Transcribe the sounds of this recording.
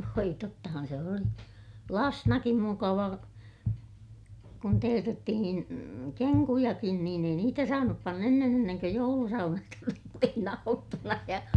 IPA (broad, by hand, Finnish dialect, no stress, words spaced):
ʋoi totːɑhɑn se oli lɑsnɑkim mukɑʋɑ kun teːtetːihin keŋkujɑkin niːn ei niːtæ sɑːnup pɑnː enːen enːeŋkø joulusɑunɑstɑ tuli sitːen ɑutːunɑ jɑ